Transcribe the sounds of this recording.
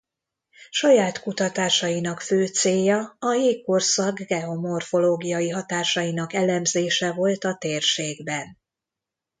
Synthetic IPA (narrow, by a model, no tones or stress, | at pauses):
ʃɒjaːt̪kut̪ɒt̪aːʃɒinɒkføːt̪seːjɒɒjeːkːorsɒɡɡɛo̞mo̞rfo̞loːɡijɒjiɦɒt̪aːʃɒjinɒkɛlɛmzeːʃɛvo̞lt̪ɒt̪eːrʃeːɡbɛn